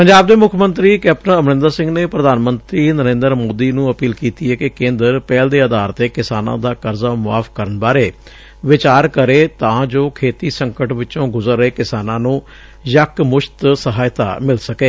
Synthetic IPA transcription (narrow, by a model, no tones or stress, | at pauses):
pəɲd͡ʒaːb̚d̪eːmʊkʰmənt̪ɾiːkɛːp̚nəəmnɪ̃nd̪əsɪ̃ŋɡneːpɾəd̪aːnmənt̪ɾiːnəɾẽːnd̪əɾmoːd̪iːnũːəpiːlkiːt̪iːɛːkɪkẽːnd̪əɾpɛːld̪eːəd̪aːɾt̪eːkɪsaːnã̰ːd̪aːkəɾzaːmʊa̰ːfʰkəɾənbaːɾeː | ʋɪt͡ʃaːɾkəɾeːt̪ãːd͡ʒoːkʰeːt̪iːsəŋkəʈʋɪt͡ʃõːɡʊzəɾeːkɪsaːnãːnũː | jəkmʊʃt̪səɦaːjt̪a̰ːmɪlsəkeː